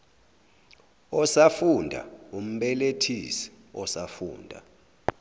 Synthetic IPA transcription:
ɔsafundʱa̰um̩ɓɛletʰisi̥ | ɔsafṵːndʱa̰

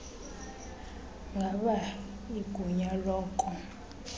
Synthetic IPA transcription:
ŋɡʱaɓa | iɡ̥ʱuɲalɔːkʼɔ

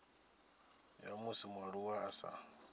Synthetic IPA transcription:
jamusimwaɺuwaːsa̰

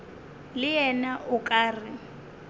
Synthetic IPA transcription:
lɪjɛnaʔʊkʼaːrɪ

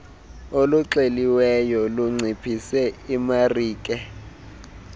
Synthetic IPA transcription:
oluǀeliwɛjɔluŋ͡ǀʱipʰisɛimariːkʼɛ

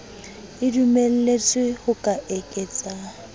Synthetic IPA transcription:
ɪdumel̩let͡sʼɪhʊkʼaʔekʼɛt͡sʼa

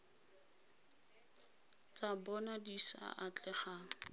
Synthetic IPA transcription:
t͡sabɔnadisa̰ʔat͡ɬʼɛχaː

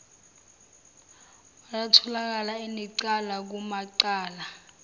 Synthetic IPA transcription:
wajatʰɔlak̬alainiǀalak̬umaǀaːla

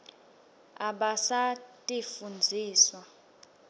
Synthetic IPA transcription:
a̰ɓasatʼifund͡zʱiːswa

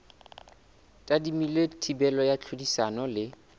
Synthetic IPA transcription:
tʼadimiletʰibɛlɔjat͡ɬʰodisanɔlɪ

